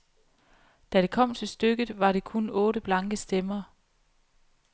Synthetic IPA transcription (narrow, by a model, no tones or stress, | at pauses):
d̥æɾ̥e̝kʰɒ̽m̰t͡sʰe̝lsd̥øɡ̥ð̩ˠʋɑ̈ɾe̝kʰonɔ̽ːɾəb̥lɑ̈ŋɡ̥əsd̥emɐː